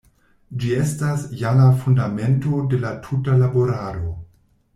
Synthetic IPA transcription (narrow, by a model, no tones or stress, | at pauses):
d͡ʒie̞stasjalafundame̞nto̞de̞latʰutalaboɾaːɾo